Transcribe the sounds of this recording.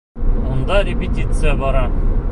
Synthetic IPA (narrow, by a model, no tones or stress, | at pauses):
mund̪ɑɾʲɪpʲɪtʲit̪sɨjabɒɾɑ